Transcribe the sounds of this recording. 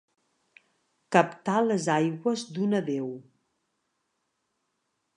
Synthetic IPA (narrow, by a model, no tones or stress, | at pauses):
kəpt̪aləzajɣwəzd̪unəðew